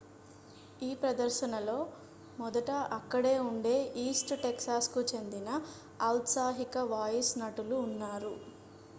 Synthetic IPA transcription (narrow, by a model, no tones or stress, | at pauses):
iːpɾɐd̪ɐɾʃɐnɐlo̞ː | mɔd̪ɐʈɐʔɐkːɐɽe̞ːuɳɖe̞ːʔiːsʈʈeksaːskut͡ʃe̞nd̪inɐː | wt̪saːɦikɐʋaːjisnɐʈuluːnːaːɾu